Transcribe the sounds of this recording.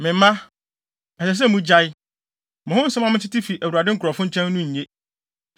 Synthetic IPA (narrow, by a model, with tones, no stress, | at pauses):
mɪ̃˨m˦mã˦ | ɛ˨sɛ˨s̬ɛ˦mũ˦d͡ʑa˦ɪ˦ | mʊ̃˨ʊ̃˦n̩˦sa˦mã˦mɪ̃˦t͡ɕʰɪ˦tɪ˦fi˨ʔæ˨wu˨ɾa˨dɪ˦ŋ̩˦kʰɾɔ˨fʊ̃˦ɲ̩˦t͡ɕʰɛ̃˦n˦nʊ̃˦ɲ̩˨ɲẽ˦